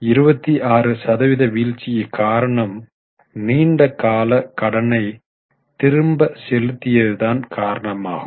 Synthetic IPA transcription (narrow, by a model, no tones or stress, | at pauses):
ɪɾɯbɐt̪ːiʔaːrɯsɐðɐʋɪðɐʋiːɻt͡ʃːɪjɐkaːɾɐɳɐm | niːɳɖɐkaːlɐkɐɽɐnɐɪ | t̪ɪɾɯmbɐsɛlɯt̪ːɪjɐðɯðaːnkʰaːɾɐɳɐma̰ːɣɯm